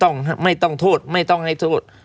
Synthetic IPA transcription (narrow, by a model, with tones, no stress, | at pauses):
t̪ɔ˥˩ŋɦa˥˩ma˥˩jt̪ɔ˥˩ŋt̪ʰoː˥˩t̪̚ma˥˩jt̪ɔ˥˩ŋha˥˩jt̪ʰoː˥˩t̪̚